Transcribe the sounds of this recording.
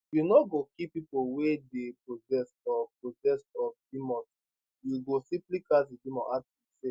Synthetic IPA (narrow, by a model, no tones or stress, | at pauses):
junɔɡokipipowedepɹozɛsɔpɹozɛstɔfdimɔ̃s | juɡosiplikasidimɔ̃ʔa | ise